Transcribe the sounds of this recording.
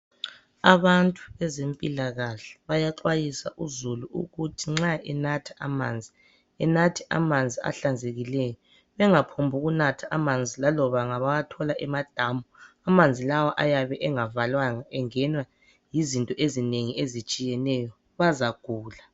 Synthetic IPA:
aβantʼu̥βɛzempʼilaɣaɬɛ̥βajaǃwajisa̰ʔuzuluṵɣutʰiŋ͡ǁaʔɛnatʰḁʔa̰maːnd͡zʱi | ɛnatʰɛʔa̰mand͡zʱia̰ɬand͡zʱeɣilɛjɔ | βɛŋapʰombʱuɣunatʰaʔamand͡zʱilalɔβaŋaβajatʰɔlaʔɛmad̥ʱaːmuamand͡zʱilawaʔajaβɛʔɛŋavalwaŋaɛŋɛnwa | jizintʼɔʔezineŋiezit͡ʃʼijɛnɛjɔ | βazaɡ̥ʱuːla

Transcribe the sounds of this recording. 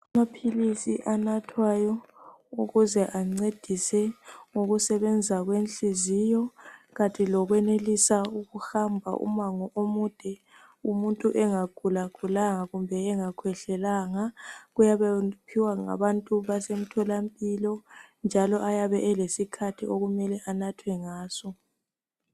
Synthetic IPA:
amapʰilisiʔanatʰwajɔuɣuzɛʔaŋ͡ǀed̥ʱisɛŋoɣusɛβɛnd͡zʱaɣwenɬizijɔɣantʼilɔɣwɛnelisauɣuxambʱa̰ʔṵmaŋɔʔomud̥ʱɛ | umuntʼuʔɛŋaɡ̥ʱulaɡ̥ʱulaŋaɣumbʱɛɛŋakʰwɛɬɛlaŋaɣujaβɛpʰiwaŋa̰βantʼuβasem̩tʰɔlampʼilɔnd͡ʒʱalɔʔajaβɛʔɛlesikʰatʰiʔoɣumɛlɛʔanatʰwɛŋaːsɔ

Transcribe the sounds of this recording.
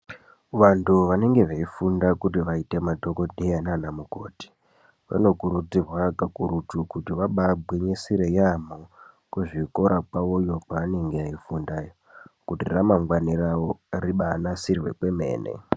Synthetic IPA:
ʋantʰuʋane̞ŋɡe̞ʋeifundakutiʋaite̞madʱo̞ko̞dʱejananamuko̞̰ːti̥ | ʋa̰nokuɾud͡zirwakakuɾutukutiʋaɓabʱweɲesiɾejamo | kwuʐiko̞ɾakwaojo̞paːne̞ŋɡeaifundajo | kutiramaŋɡwaniraworiɓanasirwe̞̰kwe̞me̞̰ːne̞̰

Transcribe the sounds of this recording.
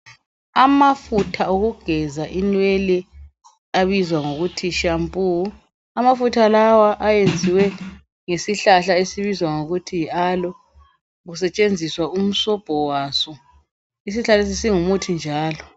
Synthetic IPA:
amafutʰauɣuɡ̥ʱɛzaʔinwelɛ | aβizwaŋoɣutʰiʃampʼu | amafutʰalawaʔajend͡zʱiwɛ | ŋesiɬaɬaesiβizwaŋoɣutʰialɔ | ɣusɛt͡ʃʼend͡zʱiswaum̩sɔb̥ʱɔwasɔ | is̬iɬales̬isiŋumutʰind͡ʒʱaːlɔ

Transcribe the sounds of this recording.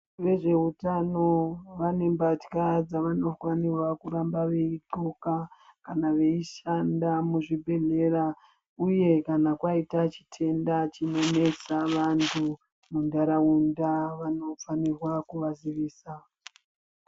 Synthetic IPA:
ʋe̞ʐe̞ɦutano̞ʋane̞mbati̥kad͡zaʋano̞fanirwakuɾambaʋe̞iǃokakanaʋe̞iʃandamuʐibʱe̞ɮe̞ɾa | uje̞kanakwaitat͡ʃi̥tʰe̞ndat͡ʃino̞ne̞t͡saʋantʰu | mundaɾaundaʋano̞fanirwakuʋaziʋiːsa

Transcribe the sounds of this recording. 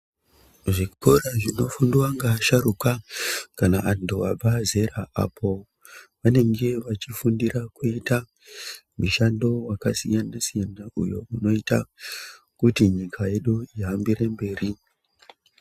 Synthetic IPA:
ʐikoraʐino̞funduwaŋɡaʃaɾukakanaʔantuab͡vaze̞ɾaa̰pʰo̞ | ʋane̞ŋɡe̞ʋat͡ʃifundiɾakuita | muʃando̞wakasijanasijanaʔujo̞uno̞ita | kutiɲikʰaje̞ɗuiɦambiɾe̞mbe̞ːri

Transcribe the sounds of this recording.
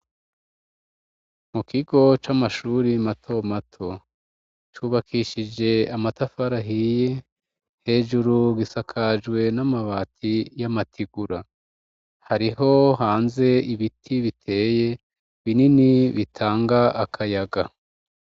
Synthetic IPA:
mukʰiɡo̞t͡ʃamaʃuːɾimatʰomatʰo̞ | t͡ʃuːβakʰiʃid͡ʒe̞amatafaɾaɦije | he̞ːʒuɾuɡisakʰaʒɡwe̞namaβaːtʰijamatʰiɡuɾa | haɾiɦo̞ɦaːnze̞iβitʰiβitʰe̞ːje̞ | βininiβitʰaːŋɡaakʰajaɡa

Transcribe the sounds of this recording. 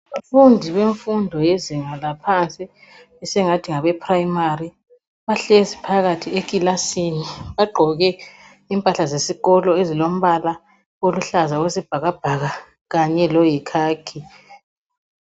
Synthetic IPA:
afundʱiβeɱfundʱɔjeziŋalapʰant͡sʼi | ɛsɛŋatʰiŋaβɛpʰrajimari | βaɬɛzipʰaɣatʰiekʼilasiniβaɡ͡ǃʱɔɣɛ | impʼaɬazesiɣɔlɔezilom̩βala | oluɬazaɣwesib̥ʱaɣab̥ʱaɣa | ɣaɲɛlɔjikʰaːkʰi

